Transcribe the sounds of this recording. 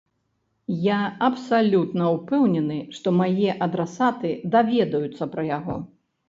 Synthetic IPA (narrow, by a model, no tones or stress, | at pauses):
jaɐpsalʲut̪nɐupɛwnʲɛnɨʂt̪ɔmajɛʔɐd̪ɾɛsat̪ɨd̪avʲɛd̪ɐjut̪sːɐpɾɐjaɣɔ̰